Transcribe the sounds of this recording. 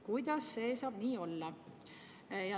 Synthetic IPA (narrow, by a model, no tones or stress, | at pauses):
kujd̪̥ɑsːe̞ːsɑːb̥niːo̞lːɑ | jɑ